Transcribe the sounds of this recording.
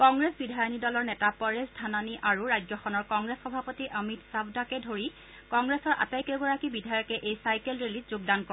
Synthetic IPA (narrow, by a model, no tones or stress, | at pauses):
kɔŋɡɹesbidʱajɔnidɔlɔɹnɛtapɔɹesdʰʱananiʔaɹuɹajd͡ʒzɔxɔnɔɹkɔŋɡɹesxɔbʱapotiʔəmitsabdakɛdʱoɹi | kɔŋɡɹesɔɹʔa̰tajkɛɡɔɹakibidʱajɔkɛʔejsajkelɹilizzʊɡ̚dankɔ